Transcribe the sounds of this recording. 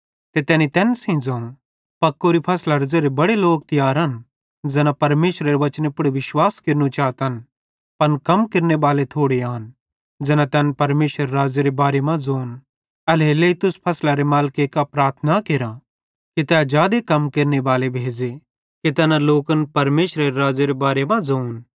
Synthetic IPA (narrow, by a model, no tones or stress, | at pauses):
t̪et̪ɛːnit̪ɛːnsĩd͡zoːũ | pɐkːoːɾipʰɐslaɾd͡zeːɾebɐɽeloːk̚t̪ɪjaːɾɦɐn | d͡zɛːnapɐɾmeːʃɾaɾeʋɐt͡ʃnepʊɽeʋɪʃwaːskɪɾnut͡ʃaːt̪ən | pɐnkɐmkɪɾnebaːlet̪ʰoːɽeaːn | d͡zɛːnãt̪ɛːnpɐɾmeːʃəɾɾaːd͡zeɾebaːɾemãd͡zoːn | ɐleleit̪ʊspʰɐslaɾemaːlkekapɾaːɾt̪ʰnakeɾã | kit̪ɛːd͡ʒjaːd̪ekɐmkeɾnebaːlebʱeːd͡ʒe | kit̪ɛːnaloːkənpɐɾmeːʃɾaɾeɾaːd͡zeɾebaːɾemãd͡zoːun